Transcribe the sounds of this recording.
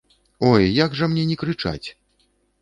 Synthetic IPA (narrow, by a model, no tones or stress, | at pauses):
ɔjːaɡʐɐmnʲɛnʲɛkɾɨt͡ʂa̰t͡sʲ